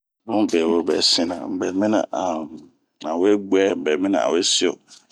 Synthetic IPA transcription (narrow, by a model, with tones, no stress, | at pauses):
mʊ̃˦bɛ˨wo˦bɛ̰˨sĩ˦nã̰˨m̩˨bɛ˨mɪ̃˦nã̰˨ʔa˨ | nã˨wo˦e˦ɡ͡bu˦ɛ˦m̩˨bɛ˨mɪ̃˦nã̰˨a̰˨wo˦e˦si˦o̰˨